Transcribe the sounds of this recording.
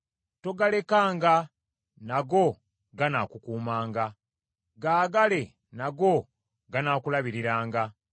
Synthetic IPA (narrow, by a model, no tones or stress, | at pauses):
to̞ɡale̞kaːŋɡa | naɡo̞ | ɡanaːkukuːmaːŋɡa | ɡaːɡale̞ | naɡo̞ | ɡanaːkulaβiɾiɾaːŋɡa